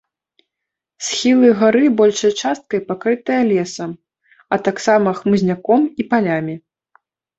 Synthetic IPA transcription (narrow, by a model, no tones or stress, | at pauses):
sxʲilˠɨɣaɾɨbɔlʲʂɐjt͡ʂast̪̚kɐipakɾɨt̪ɐjɐlʲɛsɐm | ɐt̪aksamɐxmɨzʲnʲakɔmipalʲamʲi